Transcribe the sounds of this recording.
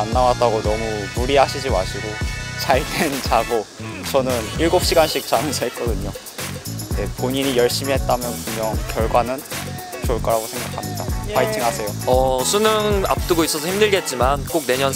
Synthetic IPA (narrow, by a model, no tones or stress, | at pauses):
anːawat̚t͈aɡonʌmumuɾiɦaɕʰid͡ʑimaɕʰiɾot͡ɕaɭtent͡ɕaɡot͡ɕʌnɯniɭɡop̚ɕ͈iɡanɕ͈ʰik̚t͡ɕ͈amʌnsʰʌɦet̚k͈ʌdɯɲo | ne̞poɲiɲijʌɭɕ͈imiɦe̞t̚t͈amjʌnpumɲjʌŋkjʌɭɡwanɯn | t͡ɕoɭk͈ʌɾaɡosʰe̞ŋɡakʰamɲidapaɭtʰiŋɦasʰe̞joʌsʰunɯŋa̰p̚t͈ɯɡois͈ʌsʰʌhʰimdɯɭɡe̞t̚t͡ɕ͈imank͈ok̚ne̞ɲʌn